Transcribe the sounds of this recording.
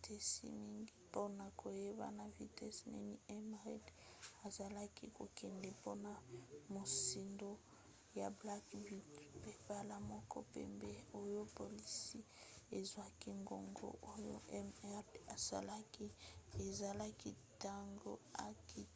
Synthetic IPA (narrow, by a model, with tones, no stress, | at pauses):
tɛ˦sḭ˦mi˦ŋɡi˦po˦na˨kʰo˨je˦ba̰˨na˨vi˨tɛ˦snɛ̰˦ni˦ɛ˦mʁɛ˦d | a˨za˨la˦ki˦ko˨kɛ˨ndɛ˨po˦na˨mo˨si˨ndo˦ | ja˨bla˦kbi˦tpe˨pa˦la˦mɔ˦kɔ̰˦pɛ̰˨mbɛ˦o˦jo˦po˨li˦si˦ | e˨zwa˦ki˦ŋɡo̰˨ŋɡo̰˦ʔo˦jo̰˦ɛ˦mɛ˦ʁa˨sa̰˨la˦ki˦e˨za˨la˦ki˦ta˦ŋɡo̰˦a̰˨ki˨